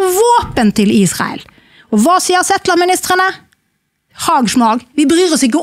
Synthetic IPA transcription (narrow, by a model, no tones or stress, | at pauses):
ʋoːpənt̪ʰɪliːsʁɑ̰ə̰l | ɔʋɑːsiːəɾsɛt̪ləʁmɪnɪst̪ʁənə | hɑːɡʂmɑːɡʋɪbəɾyːʁɔsɪk̬ːə